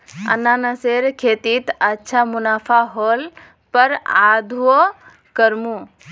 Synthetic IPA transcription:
ə̰nːaːnəseːɾkʰeːt̪iːt̪ətːʃʰamunaːpʰaɦoːl | pəɾaːd̪ʱuo | kəɾmũ

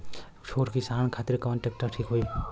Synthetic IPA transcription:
t͡ʃʰoːʈkisaːɳ̃kʰaːt̪ɪɾkəʋənʈek̚ʈəɾʈʰiːkɦoi

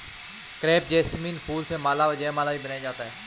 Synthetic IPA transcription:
kɾɛːp̚d͡ʒɛːsmĩːnpʰuːlsẽːmaːlaːʋəd͡ʒɛːmaːlaːiːbənaːjd͡ʒaːt̪aːɦɛː

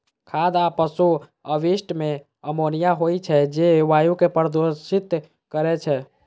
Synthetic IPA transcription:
kʰad̪apəsu | əʋisʈme | əmonijaɦojt͡ʃʰɛd͡ʒeʋajukepəɾəd̪osit̪ | kəɾɛt͡ʃʰɛ

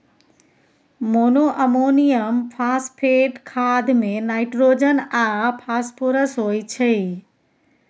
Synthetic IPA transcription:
monoʔəmonijəmpʰaːspʰeʈkʰaːd̪mẽnaːɪʈɾoːd͡ʒənapʰaːspʰoɾəsɦoːit͡ʃʰe

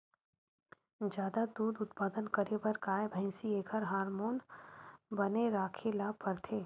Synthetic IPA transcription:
d͡ʒjaːd̪ad̪uːd̪ʊt̪paːd̪ənkəɾebɐɾkaːebʱɛ̃ːsieːkʰəɾɦaːɾmoːn | bɐneɾaːkʰelaːpɐɾt̪ʰeː

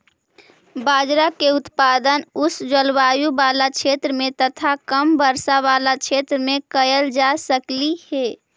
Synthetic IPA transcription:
baːd͡ʒɾakeʊt̪pad̪ənʊsd͡ʒəlʋaːjubalat͡ʃʰet̪ɾəmẽt̪ət̪ʰakəmbəɾsaβaːlat͡ʃʰet̪ɾəmẽkəjəld͡ʒasəkliheː

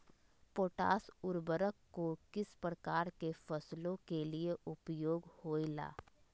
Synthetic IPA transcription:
poːʈa̰ːsʊɾbəɾəkːokɪspɾəkaːɾkefʰəslõkelieʔʊpjoːɡhoːila̰ː

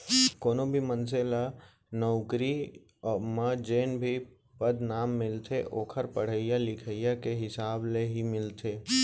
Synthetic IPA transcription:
koːnobʱiməns̬ela | nɔʊkɾi | ɔːɾməd͡ʒeːnbʱi | pəd̪naːmːɪlt̪ʰeʔoːkʰəɾpəɽ̤əɪjalɪkʰəɪjakeɦɪsaːbleɦimɪlt̪ʰeː

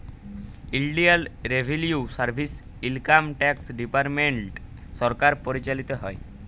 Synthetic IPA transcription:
ilɖialɾebʱeljusaɾbʱis | ilkamʈɛksɖipaɾmeɳʈ | sɔɾkaɾpɔɾit͡ɕalit̪ɔɦɔj

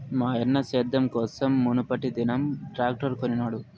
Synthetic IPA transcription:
maːjɐnːɐseːd̪ːɐmkɔːsɐmːunupɐʈid̪inɐmʈɾaːk̚ʈɐɾkoninaːɽu

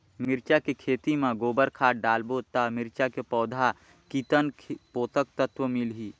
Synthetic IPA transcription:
mɪɾt͡ʃakikʰeːt̪imẽɡoːbəɾkʰaːɖaːlboːt̪amɪɾt͡ʃakepɔːd̪ʱa | kit̪ənkʰpoːt̪ək̚t̪ət̪wəmɪlɦiː

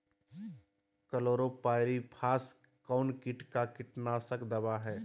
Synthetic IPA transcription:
kəloːɾopaːɪɾipʰaːs | kaʊnkɪʈkakɪʈnasəkd̪ɐbaɦɛː

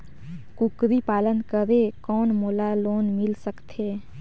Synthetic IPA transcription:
kʊkɾipaːlənkəɾekɔːnmoːlaloːnmɪlsəkt̪ʰeː

